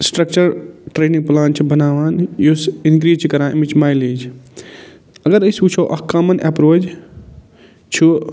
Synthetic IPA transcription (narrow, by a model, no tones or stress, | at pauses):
sʈɾɐk̚t͡ʃɐɾʈɾeːnĩŋɡ̚plaːnʈt͡ʃʰibɐnaːʋaːnjusinkɾiːd͡ʒt͡ʃʰikɐɾãːmit͡ʃʰmaːjliːd͡ʒʰ | ɐɡɐɾɐsut͡ʃʰoːʔɐhkamɐnʔɛpɾoːd͡ʒ | t͡ʃʰu